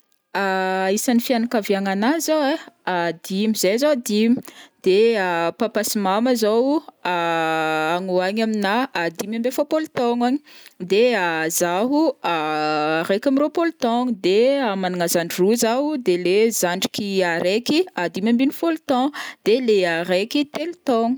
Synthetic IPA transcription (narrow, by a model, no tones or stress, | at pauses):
aisanifianakaviaŋanazowead̪imizezowad̪imid̪̥eapapasimaməzawa | aŋuaɲaminaad̪imãmbefapolt̪ɔŋaɲid̪eazaɦuaaɾekʲamiɾopolt̪ɔŋd̪eamanaŋazaɳɖ͡ʐiruzaɦud̪elezaɳɖ͡ʐi̥kiaɾekiad̪imãmbinifolt̪ɔ̃d̪̥eleaɾekit̪elut̪ɔŋu̥